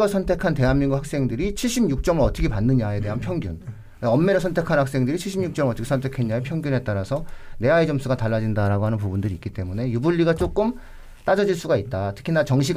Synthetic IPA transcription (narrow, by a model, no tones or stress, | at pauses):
ʌsʰʌntʰe̞kʰante̞ɦanmːiŋɡuhak̚s͈e̞ŋdɯɾit͡ɕʰiɭɕ͈ibɲjuk̚t͡ɕ͈ʌmɯɭʌt͈ʰʌkʰepanːɯɲae̞te̞ɦanpʰjʌŋɡjun | ʌmːe̞ɾʌsʰʌntʰe̞kʰanhak̚s͈e̞ŋdɯɾit͡ɕʰiɭɕ͈ʰimɲuk̚t͡ɕʌmɯɭʌt͈ʰʌkʰesʰʌntʰekʰeɲaepʰjʌŋɡjunɦe̞t͈aɾasʰʌne̞aed͡ʑʌmsʰuɡataɭːad͡ʑindaɾaɡoɦanɯnpubundɯɾiːk͈it͈e̞mune̞jubuʎːiɡat͡ɕ͈ok͈ɯm | t͈ad͡ʑʌd͡ʑiɭs͈uɡait̚t͈atʰɯ̥kʰinat͡ɕʌŋɕ̬ʰiɡ